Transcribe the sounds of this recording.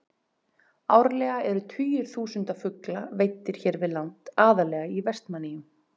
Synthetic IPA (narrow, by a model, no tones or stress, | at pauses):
aːwɾalɛːɣaɛɾʏt̪ʰvyːjʏɾ̥θuːsʏnt̪afʏklaveːjt̪ːɪɾ̥çɛɾvɪðlawnt̪aːðalɛːɣaivɛst̪manːɪjʏm